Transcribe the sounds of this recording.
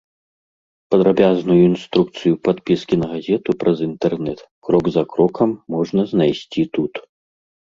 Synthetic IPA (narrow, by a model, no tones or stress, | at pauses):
pɐd̪ɾabʲaznujuinst̪ɾuk̚t̪sɨjupat̪pʲiskʲinɐɣazʲɛt̪upɾʔɐzint̪ɛrnɛt̪ | kɾɔɡzɐkɾɔkʰɐmːɔʐnɐznajsʲt͡sʲit̪ut̪